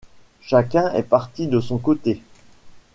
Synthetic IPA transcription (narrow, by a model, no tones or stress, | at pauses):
ʃakʲɛ̃ɛ̰paʁt̪id̪əsɔ̃kot̪e